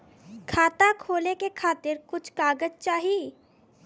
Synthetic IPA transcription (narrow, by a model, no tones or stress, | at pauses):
kʰaːt̪akʰoːlekekʰaːt̪ɪɾkʊt͡ʃʰkaːɡəd͡ʒt͡ʃaːɦi